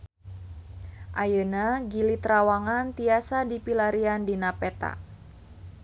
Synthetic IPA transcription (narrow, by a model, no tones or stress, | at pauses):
ʔajənaɡilit̪ɾawaŋant̪iasadipilaɾiandinapɛt̪a̰